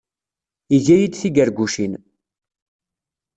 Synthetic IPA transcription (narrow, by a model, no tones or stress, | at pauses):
iʝæjid̪θiɡəɾɡʷuʃin